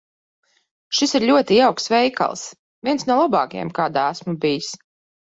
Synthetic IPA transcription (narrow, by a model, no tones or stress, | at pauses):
ʃisiɾʎʲuɔt̪iawksvɛjka̰lˠs | viɛnsnuɔlˠabɑːkajɛ̰mkaːd̪aæsmubijis